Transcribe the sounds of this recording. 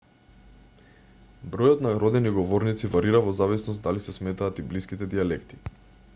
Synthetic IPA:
bɾɔjɔt̪naɾɔd̪ɛniɡɔvɔɾnit̪sivaɾiɾavɔzavisnɔst̪d̪alisɛsmɛt̪aːt̪ibliskit̪ɛd̪ialɛkt̪i̥

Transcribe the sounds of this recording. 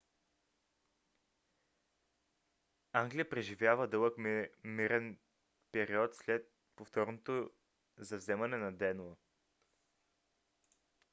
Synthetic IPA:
aŋɡlʲijəpɾɛʒivʲjavəd̪ɤlˠəkmiɾɛn | pɛɾiɔt̪slɛt̪̚ | poft̪ɔɾnot̪o | zɐvzɛmɐnɛnɐd̪ɛnə

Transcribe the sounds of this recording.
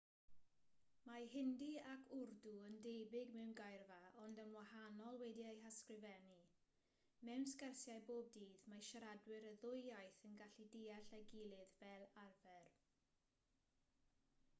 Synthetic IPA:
maɦɪndiakʰʊrduəndebɪɡmɛwmɡajrvaɔndənwahanɔlˠwɛdiejɦaskrɪvɛni | mɛwnskɛrsjajboːb̚diːðmaʃaɾadwɪɾəðʊjajθənɡaɬidiːaɬaɡɪlˠɨðvɛlˠarvɛr

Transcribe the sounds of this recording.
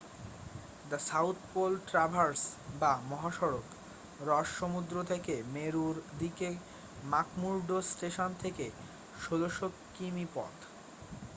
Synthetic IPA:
d̪asawt̪ʰpolʈɾabʱaɾsbamɔɦaʃɔɾok | ɾɔʃʃomud̪ɾot̪ʰekemeɾuɾd̪ike | makmuɾɖosʈeʃont̪ʰeke | ʃod̪oʃokːimipɔ̰t̪

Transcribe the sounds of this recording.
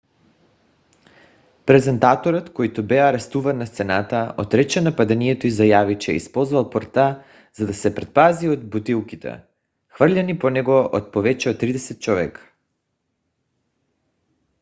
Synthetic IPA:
pɾɛzɛnt̪at̪oɾɔt̪kojt̪obɛaɾɛst̪uvanːast̪sɛnat̪aot̪ɾɛt͡ʃɛnapad̪ɛniɛt̪oizajavit͡ʃɛ̰ḭspɔlˠzvalˠpoɾt̪a | z̥ad̪asɛpɾɛt̪̚paziod̪̚but̪ilˠkit̪ɛ̰ | xvərlʎʲaniponɛɡɔʔot̪̚povɛt͡ʃɛot̪ːɾid̪ɛsɛt̪̚t͡ʃɔvɛkḁ

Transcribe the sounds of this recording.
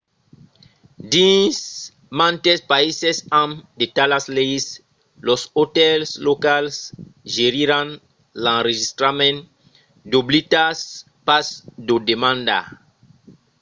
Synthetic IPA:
dĩs | mãnt̪espaisɛsãmdetalasleis | lɔsotɛlslokalsʒeɾiɾãn | lãnɾeʒist̪ɾamɛ̃n | d̪oblitas | pasdodemãnd̪a̰

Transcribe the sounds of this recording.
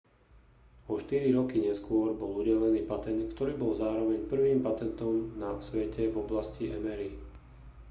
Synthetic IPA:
ɔʃt̪iɾiɾɔkiɲɛskʊɔɾbɔluɟɛlɛniːpat̪ɛnt̪kt̪ɔɾiːbɔlzaːɾɔʋɛɲpr̩ʋiːmpat̪ɛnt̪ɔmnasʋɛcɛvɔblasciʔɛmɛɾi

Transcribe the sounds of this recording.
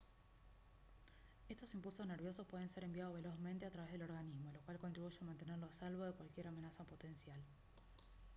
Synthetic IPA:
e̞st̪osimpulso̞zne̞ɾβjo̞sospwe̞ð̞ense̞ɾe̞mbjað̞oβe̞lo̞zment̪e̞at̪ɾaβeðelo̞ɾɣanizmo̞lokwalkont̪ɾiβuʃeamant̪e̞nerloasalβoðekwalkje̞ɾamenasapo̞t̪e̞nsjal

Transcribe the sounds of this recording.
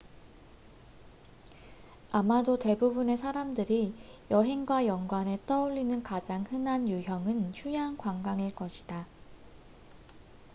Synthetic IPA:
amadote̞bubune̞sʰaɾamdɯɾijʌɦe̞ŋɡwajʌŋɡwane̞t͈ʌuʎːinɯnkad͡ʑaŋhɯnanjuɦjʌŋɯnɕʰujankwaŋɡaŋɯɭk͈ʌɕʰi̥d̥a

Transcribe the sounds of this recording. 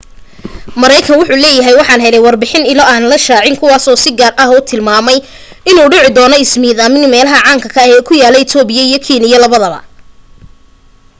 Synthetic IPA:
mɐɾɛjkʰɐnwʊħuːlɛːjɐɦɛjwɑħɑːnɦɛlɛjwɑrbɪħɪnɪlɔaːnlɐʃaːʕɪŋkʰʊwaːsɔːsɪɡaːrʔɐɦɔːt̪ʰɪlmaːmɛj | ɪnuːɖɪʕɪd̪ɔːnɔɪsmiːðamɪnmɛːlɐɦɐʕɑːŋkʰɐkʰɐɛːkʰʊjaːlɛɪt̪ʰɔːbɪjɐijɔkʰiːnɪjɐlɐβɐðɐβɐ̰

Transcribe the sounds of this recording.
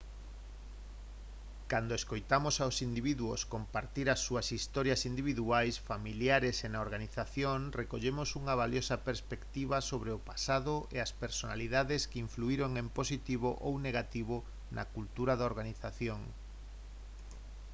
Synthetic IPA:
kand̪oeskojt̪amosawsind̪iβiðuo̰skompaɾt̪iɾɐsːuɐsist̪ɔɾjasind̪iβiðuajsfamiljaɾesenaoɾɣaniθaθjoŋrekoʎemosuŋɐβaljosɐpeɾspekt̪iβasoβɾeʊpasaðʊʔeaspeɾsona̰liðaðeskeiɱfluiɾoŋemposit̪iβoʔowneɣat̪iβ̞ʊ | nʔɐ̰kult̪uɾaðaoɾɣaniθaθjoŋ

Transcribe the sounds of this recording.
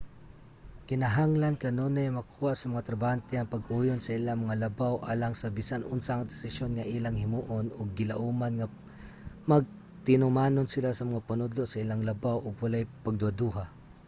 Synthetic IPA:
kɪnɐɦaŋlankɐnonajmɐkʰuːhaʔsɐmɐŋat̪ɾɐbant̪ɪɐŋpɐɡʔuːjonsɐʔɪlaŋmɐŋalɐbawʔa̰ːlaŋsɐbisanʔʊnsaŋd̪ɪsɪʃjonŋɐʔilaŋhɪmuʔonʔʊɡ̚ːɪlaʔumanŋa | mɐɡ̚ | t̪ɪnʊmaːnonsɪlasɐmɐŋapɐnʊd̪loʔsɐɪlaŋlɐbawʔʊɡwɐlajpɐɡ̚d̪ʊhad̪uːɦa

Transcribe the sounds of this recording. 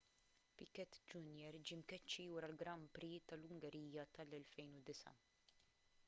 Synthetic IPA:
pɪkɛt̪ːd͡ʒunjɛɾd͡ʒimkɛt͡ʃːijuːɾɐlɡɾɐmpɾit̪ɐlʊŋɡɛɾiːjɐt̪ɐlɛlfɛjnud̪ɪsɐ̰

